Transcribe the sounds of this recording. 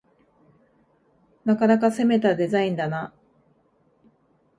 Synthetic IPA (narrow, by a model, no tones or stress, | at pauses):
nakanak̬ase̞me̞t̪ad̪e̞zaĩnd̪ana